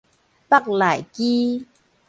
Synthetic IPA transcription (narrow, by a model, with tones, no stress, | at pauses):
pa˥˨k̚la˨jki˦